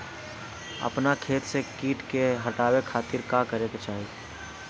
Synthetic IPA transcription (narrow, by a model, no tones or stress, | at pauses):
ɐ̰pnakʰeːt̪sekiːʈkeɦɐʈaːwekʰaːt̪ɪɾkaːkəɾeket͡ʃaːɦi